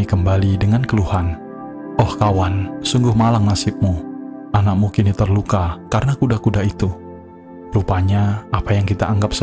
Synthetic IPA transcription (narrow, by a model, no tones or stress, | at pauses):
ikəmbalidəŋankəluhan | ʔɔhkawansuŋɡʊhmalaŋnasɪp̚mu | anak̚mukinit̪ərlukakaɾənakudakudait̪u | rupaɲaapajaŋkit̪aːŋɡap̚s